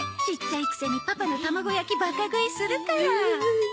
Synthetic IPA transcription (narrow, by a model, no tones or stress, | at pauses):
ɕit͡ɕːaikɯ̟̥seɲ̟ipapanot̪amaɡo̞jakʲibakaɡɯ̟isɨɾɯ̟kaɾa